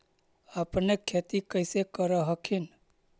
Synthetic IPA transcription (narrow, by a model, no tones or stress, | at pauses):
əpnekʰːet̪ikəɪsekəɾəɦəkʰin